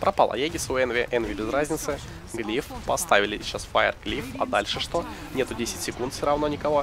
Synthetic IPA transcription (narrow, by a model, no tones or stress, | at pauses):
pɾʔɐpɑlˠɐ̰jeɡʲɪsʊɛnvʲeʔɛnvʲɪlʲɪzrazʲnʲɪt̪sɨ | ɡlʲifpɐst̪avʲɪlʲɪt͡ɕːasfajə̰rɡlʲifɐ̰d̪alʲʂɨʂt̪o̞ | nʲe̞t̪ʊdʲesʲɪtʲsʲɪkunt̪fsʲoɾɐvnonʲɪkɐvo̞